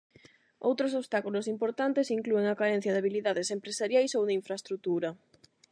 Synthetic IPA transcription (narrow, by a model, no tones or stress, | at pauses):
o̰wt̪ɾosoβst̪akulosimpoɾt̪ant̪esiŋklueŋakaɾen̟θjɐðaβiliðaðesempɾesaɾjajsowðeiɱfɾaest̪ɾut̪uɾɐ